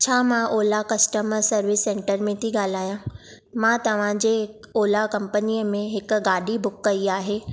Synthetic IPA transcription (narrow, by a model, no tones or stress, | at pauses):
t͡ɕʰaːmãʔoːlakɐsʈəməɾsɐɾʋɪsːẽːɳʈəɾmẽt̪ʰiɡaːl̤aːjã | mãt̪ɐʋ̤ãd͡ʑeː | oːlakɐ̃mpənijəmẽɦɪkɡaːɖʱibʊkːɐiaːɦeː